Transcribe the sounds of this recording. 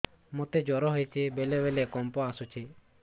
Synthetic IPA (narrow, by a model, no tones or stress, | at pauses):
mut̪ed͡ʒɔɾɔɦɔjt͡ʃʰibelebelekɔmpɔasut͡ʃʰi